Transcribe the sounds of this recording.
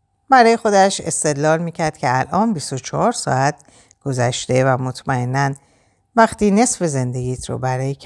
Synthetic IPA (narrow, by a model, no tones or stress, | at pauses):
bæɾɒːje̞xo̞d̪æʃe̞̰st̪e̞d̪lɒːlmiːcʰæɾd̪̥̚cʰʲeælʔɒːnbist̪o̞t͡ʃʰɒhɒɾsɒ̰æt̪̚ʰ | ɡ̥o̞zæʃt̪e̞væmot̪ʰmæe̞nːæn | væxt̪iːne̞sfe̞ze̞nd̪e̞ɡiːt̪ʰɾo̰bæɾɒːjekʰ